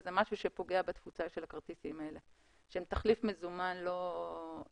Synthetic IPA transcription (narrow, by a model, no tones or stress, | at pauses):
zemaʃuʃepo̞ɡeabat̪fut͡saʃelakaʁt̪isimae̞le | ʃeemt̪aχlifmezumanlo̞